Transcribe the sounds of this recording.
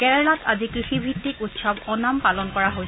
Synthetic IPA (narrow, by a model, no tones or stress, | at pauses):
kɛɹɛlatʰazikɹixibʱitːikutsabɔnampalɔnkɔɹaɦoj